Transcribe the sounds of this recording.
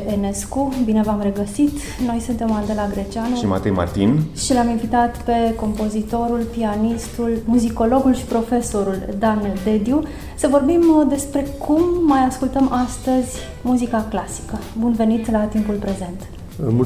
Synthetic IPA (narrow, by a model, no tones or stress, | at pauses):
ʔene̞skubine̞vamre̞ɡəsit̪ | no̞jsunt̪e̞mand̪e̞laɡɾe̞t͡ʃianəʃima̰t̪ejma̰rt̪ḭnʃilaminvit̪at̪pe̞ko̞mpo̞zit̪o̞ɾulpianist̪ulmuziko̞lo̞ɡulʃi̥pɾo̞fe̞so̞ɾuld̪and̪e̞d̪ju | səvo̞rbimd̪e̞spɾe̞kʰumːajaskult̪əmʔast̪əzʲ | muzikaklasi̥kəbunve̞nit̪lat̪impulpɾe̞ze̞nt̪ | mu